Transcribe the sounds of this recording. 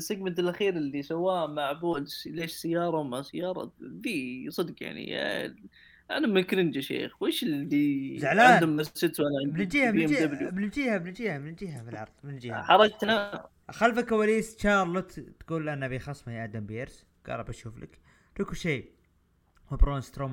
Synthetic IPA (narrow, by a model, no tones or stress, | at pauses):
sɪɡmɪnt̪ɪlʔaxiːɾɪlːisawamaʕbuːlsleːʃsɪjːɑːɾˤɑmasɪjːɑːɾˤɑ̰d̪isˤɨd̪qja̰ʕnḭ | ʔanamɪkɾɪnd͡ʒaʃḛːxweːʃɪlːizʕlaad̪amːasɪd̪ʔanabd͡ʒiːhad̪ablubɪnd͡ʒiːhabnd͡ʒiːhamɪnld͡ʒiːhafilʕɑɾˤðˤmɪnd͡ʒiːha̰ħɑɾˤɑd͡ʒt̪na | xalfakːawaːliːst͡ʃɑːɾˤlʊt̪t̪ɡ̥uːlʔanabiːxɑsˤːmajʔaʕd̪ambjeɾs | ɡ̥ɑ̰ːlˤɑbaʃuːflʔa̰k | ɾikʃeː | mabɾoːnst̪ɾoːm